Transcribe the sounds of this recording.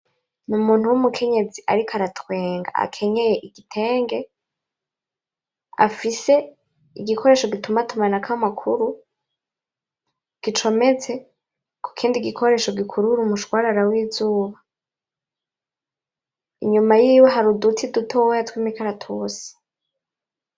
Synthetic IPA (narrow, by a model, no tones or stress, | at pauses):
numuːn̥uwumukʰeɲe̞d͡ziʔa̰ɾikoaɾatwe̞ːŋɡa̰a̰kʰe̞ɲe̞je̞ʔiɡitʰe̞ːŋɡe̞ | a̰fise̞ | iɡikʰo̞ɾe̞ːʃoɡitumatumanakʰamakʰuɾu | ɡ̥it͡ʃo̞me̞t͡se̞ | ku̥kʰiːndiɡikʰo̞ɾe̞ːʃo̞ɡikʰuɾuɾumuʃwaːɾaɾawiːzuːβa | ḭɲumajiːweɦaɾudutʰidutʰowjatwiːmikʰaɾatʰoːsi̥